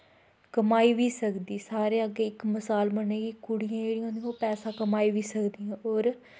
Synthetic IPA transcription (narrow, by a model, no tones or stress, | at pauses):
kəmaːiːʋiːsəkd̪iːsaːɾeːəɡːeːɪkməsaːlbəneːɡiːkʊɽɪjãːd͡ʒeːɽĩːõːnd̪iãoːpɛːsãːkəmaːiːʋiːsəkd̪ijãːoːɾ